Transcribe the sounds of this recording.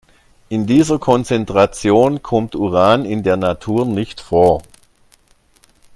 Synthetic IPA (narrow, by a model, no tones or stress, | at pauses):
ʔɪndiːzɐkʰɔnt͡sɛntʁ̥at͡sjoːnkʰɔmtuʁaːnɪndeːɐnatʰuːɐnɪçtfoːɐ